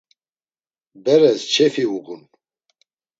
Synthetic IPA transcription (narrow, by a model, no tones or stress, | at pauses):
bɛɾɛst͡ʃʰɛfiuʁun